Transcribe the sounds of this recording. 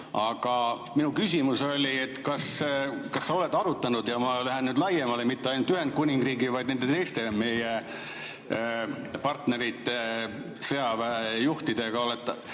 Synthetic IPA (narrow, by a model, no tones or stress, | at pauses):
ɑɡ̥ɑ | minukys̬ʲimuso̞lʲiet̪ːkɑskɑsːɑo̞le̞d̪ɑɾut̪ːˑɑnud̪jɑmɑlæɦe̞nyːd̪lɑjemɑlemit̪ːeɑjnult̪yɦe̞nd̪̚kunʲiŋɡriːɡivɑjd̪ne̞nd̪e̞t̪e̞jst̪e̞me̞je | pɑrt̪ne̞ɾit̪ːˑe | sɤjɑvæejuht̪id̪̥e̞ɡ̥ɑolet̪ːˑ